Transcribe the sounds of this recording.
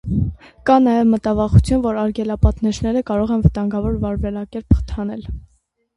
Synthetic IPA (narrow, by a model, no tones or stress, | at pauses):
kɑnɑjɛvmət̪ɑvɑχut͡sʰjunvɔɾɑɾɡɛlɑpɑt̪nɛʃnɛɾəkɑɾɔʁɛnvət̪ɑŋɡɑvɔɾvɑɾvɛlɑkɛɾpʰt̪ʰɑnɛl